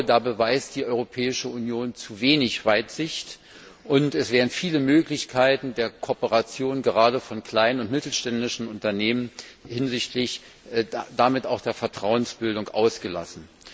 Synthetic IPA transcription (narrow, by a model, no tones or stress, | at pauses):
daːbəvaɪst̚d̥iːʔɔʏʁopʰɛːɪʃəunjoːnt͡suveːnɪçv̥aɪtz̥ɪçt | ʔʊntɛsv̥ɛːʁn̩fiːləmøːklɪçkʰaɪtn̩deːɐkʰoːpəʁat͡sjoːnɡəʁaːdəfɔnkʰl̥aɪnənʊntmɪtl̩ʃtɛndɪʃn̩ʊntɐneːmənhɪnzɪçtʰlɪç | damɪtaʊxd̥eːɐfɛɐtʁ̥aʊənsb̥ɪldʊŋkʔa̰ʊsɡ̥əla̰sn̩